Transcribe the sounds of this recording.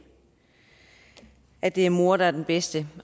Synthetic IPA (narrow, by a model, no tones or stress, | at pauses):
ʔæd̥e̝æɐmo̝ɐ̰ɾ̥ɑ̈æɐd̥enb̥esd̥ə